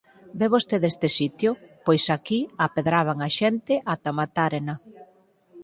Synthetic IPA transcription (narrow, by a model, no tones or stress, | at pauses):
beβost̪eðest̪esit̪jʊpojsakiapeðɾaβ̞aŋaʃent̪ɪʔat̪amat̪aɾena